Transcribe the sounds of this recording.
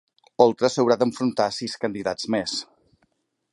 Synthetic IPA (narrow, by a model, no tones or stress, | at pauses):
ɔlˠt̪ɾəsəwɾad̪əɱfɾunt̪asiskənd̪iðad͡zmes